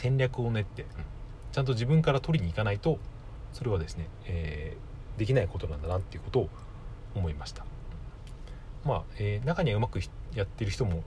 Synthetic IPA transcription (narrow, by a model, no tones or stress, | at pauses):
sẽ̞ɲɾʲakɯ̟o̞ne̞t̪ːe̞ | t͡ɕãnt̪̬o̞ʑibɯ̟̃ŋkaɾat̪o̞ɾʲiɲ̟iːkanait̪o̞ | so̞ɾe̞β̞ad̪e̞sɨ̥ne̞ | eː | d̪e̞kʲinaiko̞t̪o̞nãnd̪anat̪ːe̞iɯ̟ko̞t̪o̞ː | mo̞imaɕi̥t̪ḁ | maeːnakaɲ̟iaɯ̟makɯ̟jat̪ːe̞ɾɯ̟çi̥t̪omo̞